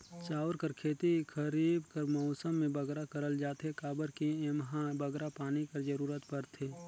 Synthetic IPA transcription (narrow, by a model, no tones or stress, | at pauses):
t͡ʃaːʊɾkəɾkʰeːt̪ikʰəɾiːbkəɾmɔːsəmːẽbəɡɾakəɾəld͡ʒaːt̪ɦekaːbəɾkiemɦãbəɡɾapaːnikɐɾd͡ʒəɾuːɾət̪pəɾt̪ʰeː